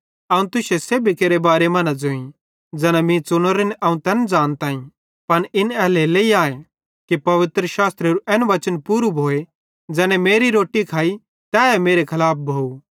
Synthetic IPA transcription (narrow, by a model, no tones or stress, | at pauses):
ɐːũt̪ʊʃeseːbʱikeːɾebaːɾemɐnad͡zoĩ | d͡zɛːnamĩt͡sʊñəɾenʔɐːũt̪ɛːnd͡zaːnt̪ãːĩ | pɐnɪnɛːleleːiaːe | kipɐʋɪt̪ɾəʃaːst̪ɾeɾuʔɛːnʊʋɐt͡ʃənpuːɾubʱoːe | d͡ʒɛːnɛ̃meːɾiɾoːʈikʰaːi | t̪ɛːɦemeːɾekʰɐlaːp̚ʰbʱoːu